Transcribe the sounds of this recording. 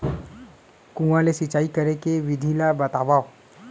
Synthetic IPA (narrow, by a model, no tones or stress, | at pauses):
kũʋãlesɪt͡ʃaːikəɾekeʋɪd̪ʱilabət̪aʋaːo